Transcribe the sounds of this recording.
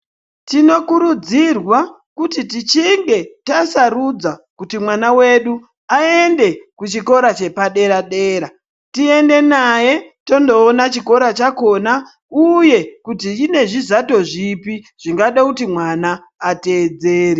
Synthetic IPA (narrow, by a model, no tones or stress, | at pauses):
tino̞kuɾud͡zirwa | kutitit͡ʃiŋɡe̞tasarud͡zakutimwanawe̞ɗu | ae̞nde̞kut͡ʃiko̞ɾat͡ʃe̞paɗe̞ɾaɗeːɾa | tie̞nde̞naje̞to̞ndo̞ːnat͡ʃiko̞ɾat͡ʃako̞na | uje̞kutiine̞ʐizato̞ʐipi | ʐ̥iŋɡaɗakutimwanaː | te̞ːd͡zeːri